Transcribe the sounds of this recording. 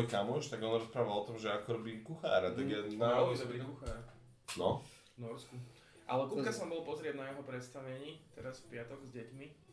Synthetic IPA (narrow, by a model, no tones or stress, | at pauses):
ɔjkamɔʃt̪aɡɔnɾɔspɾaːʋalˠɔt̪ɔmʒɛakɔɾɔbiːmkuxa̰ːɾat̪aɡjɛnaɔd̪ɔbɾikuxaɾa | nɔ | nɔɾsku | ʔa̰lɛkukasɔmbɔlpɔzɾɪɛd̪najɛɦɔpɾɛt̪st̪aʋɛɲiːt̪ɛɾasfpɪat̪ɔɡzɟɛcmi